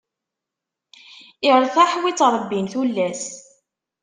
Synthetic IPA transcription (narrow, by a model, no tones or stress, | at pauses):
ɪɾˤθæħwit͡sːɾˤəbːinθulːæs